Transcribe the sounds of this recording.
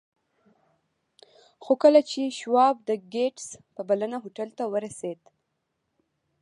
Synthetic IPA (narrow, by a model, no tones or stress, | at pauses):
xokəlat͡ʃeʃwɑb̚d̪əɡeʈspəbalənaɦoʈalt̪awəɾased̪